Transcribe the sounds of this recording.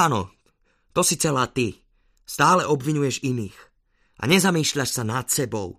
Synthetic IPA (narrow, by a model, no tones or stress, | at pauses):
anɔ̰ | t̪ɔsit͡sɛlaːt̪i | st̪aːlɛʔɔbʋiɲujɛʒiniːx | ʔa̰ɲɛzamiːʃʎaʃsanat̪sɛbɔʊ